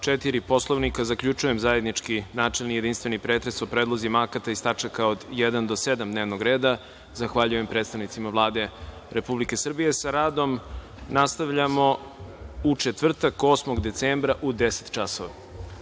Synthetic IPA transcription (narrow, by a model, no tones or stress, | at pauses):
t͡ʃet̪iɾipo̞slˠo̞ʋnikazakʎut͡ʃuje̞mzaje̞d̪nit͡ʃkinaːt͡ʂelnijed̪inst̪ʋe̞nipɾeːt̪ɾe̞sopɾeːd̪lˠozimakat̪aist̪at͡ʂakaod̪jed̪and̪o̞se̞d̪amd̪neʋnoɡɾe̞ːd̪a | zaxʋaʎuje̞mpɾe̞ːt̪st̪aʋnit̪simavlˠaːd̪e̞ | ɾepublike̞sr̩bije̞saɾaːd̪o̞m | nast̪aʋʎamo̞ | ut͡ʃet̪ʋr̩t̪ako̞ːsmoɡd̪e̞t̪seːmbɾaʔud̪ese̥t̪t͡ʃasoʋa